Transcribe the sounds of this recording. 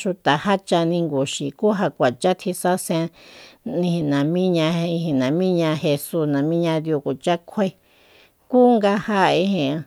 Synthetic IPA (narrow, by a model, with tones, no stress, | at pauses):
ʃu˧t̪a˨ha˦t͡ʃa˧nĩ˧ŋɡu˨ʃi˨ku˦ɦa˧kʷa˨t͡ʃa˦t̪ʰi˧sa˦sẽ˧nĩ˧hĩ˧nã˨mĩ˦ɲã˧ĩ˧hĩ˧nã˨mĩ˦ɲã˧he˧su˦snã˨mĩ˦ɲã˧ðju˧ku˨t͡ʃa˦kʷʰe˦ | kuː˦ŋɡa˧ha˦˧ĩ˧˦hẽ˨